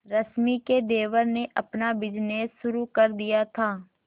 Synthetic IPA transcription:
ɾəsmiked̪eːʋəɾneʔɐpnabɪd͡ʒneːsːʊɾukɐɾd̪ijat̪ʰaː

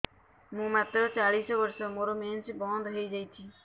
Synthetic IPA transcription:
mũːmat̪ɾɔt͡ʃaɽisɔbɔɾsɔmoɾomensibɔnd̪ɦejd͡ʒajt͡ʃ̪ʰi

